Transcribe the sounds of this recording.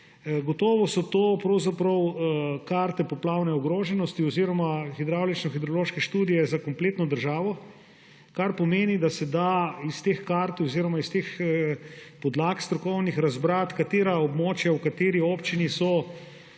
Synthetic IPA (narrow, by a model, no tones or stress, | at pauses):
ɡot̪ɔːʋɔsɔt̪oːpɾɐwzapɾɐwkaɾt̪ɛpɔplawnɛɔɡɾoːʒɛnɔst̪iɔziːɾɔmaxid̪ɾaːwlit͡ʃnɔxid̪ɾoloːʃkɛʃt̪uːd̪ijɛzakompleːt̪nɔd̪əɾʒaːʋɔ | kaɾpɔmeːnid̪asɛd̪aist̪eːxkaɾt̪oziɾɔmaist̪eːx | pɔd̪laːkst̪ɾɔkɔwnixɾazbɾaːt̪kat̪eːɾaobmoːt͡ʃjawkat̪eːɾioːpt͡ʃinisɔ